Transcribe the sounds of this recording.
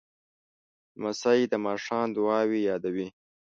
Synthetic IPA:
masaid̪əmɑːʂɑːnd̪ʊɑːwijɑːd̪awi

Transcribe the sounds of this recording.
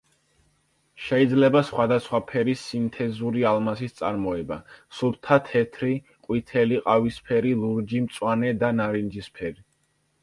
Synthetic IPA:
ʃɛid̪zlɛbasχwad̪asχwapʰɛɾisːint̪ʰɛzuɾialˠmasist̪sʼa̰ɾmɔɛbasuɾt̪ʰat̪ʰɛt̪ʰɾi | qʼwit̪ʰɛliqʼavispʰɛɾilˠuɾd͡ʒimt̪sʼwanɛd̪anaɾind͡ʒispʰɛɾi

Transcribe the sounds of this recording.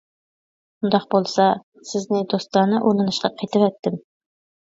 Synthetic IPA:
ʃʊnd̪ɑq̚bolˠsɑ | sɪznɪŋd̪ost̪̚lɑɾnɤʔunɤ̆nɤ̆ʃqɑqʰijt̪ɪpæt̪ːɪm

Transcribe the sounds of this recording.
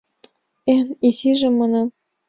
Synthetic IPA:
enisiʒĕmɤnɑm

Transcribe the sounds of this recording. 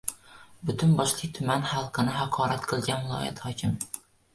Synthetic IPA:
bʊt̪ʰʊnbɒʃlˠɨk̚ʲt̪ʰʊmænhɑlˠqʰɨnɪɦɑqʰɒːɾat̪qʰɨlˠɡʲanvɪlˠɒ̰ːja̰t̪hɒkʲɪm

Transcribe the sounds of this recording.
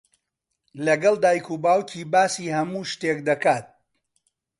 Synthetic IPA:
lɐɡɐlˠd̪aːjkʰuːbaːwcʰiːbaːsiːhɐmuːʃt̪eːk̚d̪ɐkaːt̪̚

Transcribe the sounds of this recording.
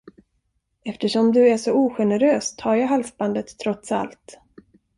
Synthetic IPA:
ɛft̪əʂɔmd̪ɵæʂɔuːɧɛnɛɾøːst̪ʰhɑːɾjaːɦalsband̪ət̪ʰːɾɔt̪sa̰lt̪

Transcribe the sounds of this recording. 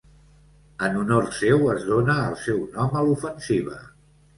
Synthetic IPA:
ənunorsewəzðonəːlˠsɛwnɔməlufənsiβ̞ə̰

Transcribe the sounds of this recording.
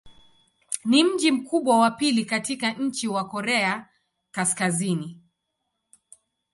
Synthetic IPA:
nim̩d͡ʒim̩kuɓwawapilikatikaɲ̩t͡ʃiwakɔɾɛa | kaskazini

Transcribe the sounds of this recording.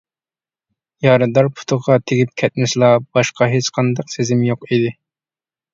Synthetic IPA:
jɑɾɨd̪ɑɾpʰu̥t̪ʰʊʁɑt̪ʰeɡʲip̚kʲʰɛt̪̚mɪʃlˠɑb̥ɑʃqʰɑɦet͡ʃqʰɑnd̪ɑqsezɪmjoqid̪ɪ

